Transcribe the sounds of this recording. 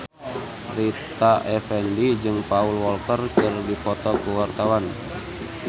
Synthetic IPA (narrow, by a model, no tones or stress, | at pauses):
rit̪aʔɛfɛndid͡ʒɨŋpaulwɔltərkərdipɔt̪ɔkuwart̪awan